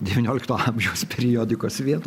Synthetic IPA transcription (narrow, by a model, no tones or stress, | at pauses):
d̪ʲɛʋʲɪnʲoːlʲɪkt̪oːɑːmbʲʒʲɛʊspʲɛɾʲɪjoːd̪ʲɪkoːsʋʲiɛt̪u